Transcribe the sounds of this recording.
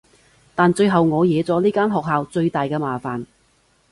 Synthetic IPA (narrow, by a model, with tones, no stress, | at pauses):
t̪aː˨nt͡ʃɵ˧ɥɦɐ˨˩wŋɔː˨˧jɛː˨˧t͡sɔː˨˥liː˥kaː˥nɦɔː˨k̚ɦaː˨˧wt͡sɵ˧ɥt̪aː˨jkɛː˧maː˨faː˨˩n